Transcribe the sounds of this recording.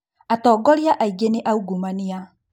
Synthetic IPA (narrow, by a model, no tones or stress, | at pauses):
atɔːɡɔɾiaʔaiɡeneʔauɡumania